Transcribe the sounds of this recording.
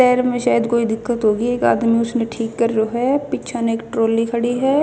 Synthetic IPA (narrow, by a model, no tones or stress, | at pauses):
ɛːɾmẽʃaːjəd̪koːid̪ɪkːət̪ɦoːɡieːka̰ːd̪miʊsneʈʰiːkːəɾd͡ʒoːɦɛpɪtːt͡ʃʰaneeːkʈɾoːlikʰɐɽiɦɛː